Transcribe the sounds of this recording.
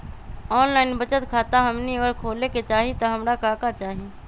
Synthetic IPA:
ɔːnlaːɪnbət͡ʃət̪kʰaːt̪aɦɐmniəɡəɾkʰoːleket͡ʃaːɦit̪oɦɐmɾakaːkat͡ʃaːɦi

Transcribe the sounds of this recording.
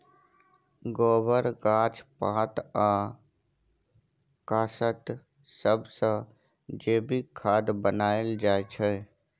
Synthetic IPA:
ɡɔːbəɾɡãːt͡ʃpãːt̪aː | kaːsət̪ | səbsə̃ | d͡ʒeːbikʰaːd̪bənaːeld͡ʒaːet͡ʃʰɛ

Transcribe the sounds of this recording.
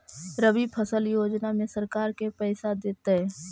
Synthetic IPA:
ɾəbibpʰəsəljoːd͡ʒnamẽsɐɾkaːɾkepɛːsad̪eːt̪aɦɛː

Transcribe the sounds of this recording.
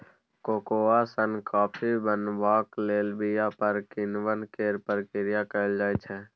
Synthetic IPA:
koːkoːasənkaːpʰibənbaːkleːlbijapəɾkɪnwənkeːɾpəɾkɪɾijakəld͡ʒaːɛt͡ʃʰɛ

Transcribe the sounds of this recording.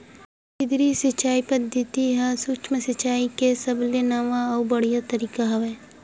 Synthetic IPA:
kɪd̪ɾisɪt͡ʃaːipɐd̪ʱət̪iɦɛsukt͡ʃməsɐt͡ʃaːikesɐblenaːʋãɔbɐɽijat̪ɐɾiːkaɦɐʋeː

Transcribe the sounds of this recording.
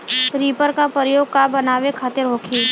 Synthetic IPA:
ɾiːpəɾkapəjoːɡ̚kabənaːʋekʰaːt̪ɪɾɦoːkʰiː

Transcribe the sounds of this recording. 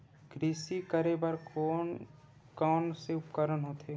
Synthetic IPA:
ɡɾiːsikəɾebɐɾo | kɔːnseʊpkəɾənɦoːt̪ʰe

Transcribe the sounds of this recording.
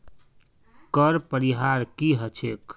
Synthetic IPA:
kəɾpəɾiɦaɾkiɦət͡ʃʰek

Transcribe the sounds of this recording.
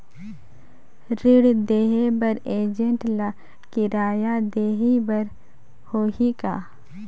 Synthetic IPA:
ɾɪɽd̪eːɦebəɾeːd͡ʒənʈla | kɪɾaːjad̪eːɦibɐɾ | hoːɦikaː

